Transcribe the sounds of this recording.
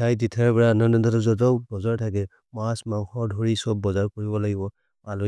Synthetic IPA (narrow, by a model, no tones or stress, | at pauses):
tʰajditʰaɹbɛɹaɔnandɔndɔtɔzɔt̬ɔbɔzaɹtʰakɛ | masmaw̃xɔɹdʱoɹisɔbːɔzaɹkoɹibɔlaɡibɔ | alu